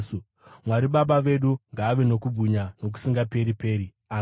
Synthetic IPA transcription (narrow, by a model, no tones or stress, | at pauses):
mwaɾiɓaɓaʋe̞ɗuŋɡaːʋe̞no̞kub͡vuɲano̞k̬u̥siŋɡape̞ɾipe̞ːɾi | a